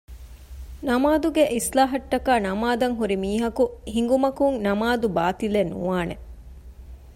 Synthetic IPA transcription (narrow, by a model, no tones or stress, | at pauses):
nɐmaːd̪uɡeʔislaːɦɐʈːɐkaːnɐmaːd̪ɐŋɦuɾimiːɦɐkuhiŋɡumɐkuŋnɐmaːd̪ubaːt̪ilenːṵaːne